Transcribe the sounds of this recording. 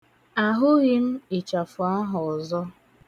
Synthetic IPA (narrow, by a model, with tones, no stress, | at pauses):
a˨ɦʊ˦ɣɪ˦n̩˦i˨t͡ʃa˨fʊ˨a˦ɦʊ˨zɔ˦